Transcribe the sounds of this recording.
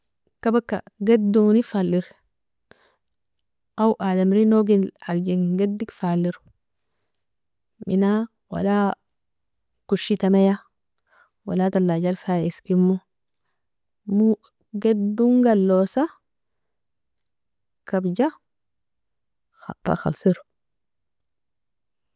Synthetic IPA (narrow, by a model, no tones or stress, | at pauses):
kabakːa̰ɡaduŋnifalːiɾ | awʔadamɾinoɡinald͡ʒiŋɡadːikfalːiɾ | mḭna | wa̰la | kuʃit̪ameja | wa̰lat̪alːaɟalfaiskimːu | mu | ɡeduŋɡalːosa | kabd͡ʒa | xa̰pːa̰xa̰lsiɾu